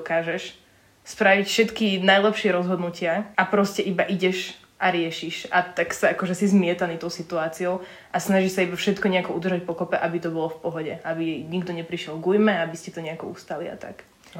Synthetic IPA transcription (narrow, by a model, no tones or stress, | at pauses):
kaːʒɛʃ | spɾaʋicfʃɛt̪kinajlɛpʃɪɛɾɔzɦɔd̪nucɪaʔapɾɔscɛʔibaʔiɟɛʃ | ʔaɾɪɛʃiʃat̪aksaakɔʒɛsizmɪɛt̪anit̪ɔʊsit̪uaːt͡siɔʊ | asnaʒiʃsaibafʃɛt̪kɔɲɛakɔud̪r̩ʒac̚pɔkɔpɛʔabit̪ɔbɔlɔfpɔɦɔɟɛabijɛjɲiɡd̪ɔɲɛpɾiʃɪɛlˠɡujmɛabiscɛt̪ɔɲɛakɔust̪alia̰t̪a̰k